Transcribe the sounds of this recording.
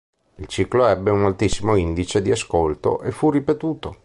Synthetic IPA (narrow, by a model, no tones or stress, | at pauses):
ilt͡ʃiːkloɛbːeunalt̪isːimoind̪it͡ʃed̪iaskolt̪o̰ʔefurːipet̪uːt̪o